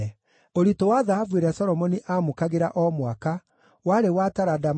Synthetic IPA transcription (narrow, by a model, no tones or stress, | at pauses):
oɾitowaðaɦavuweɾasɔɾɔmɔniʔamokaɣeɾaʔɔmwaka | waɾewataɾadam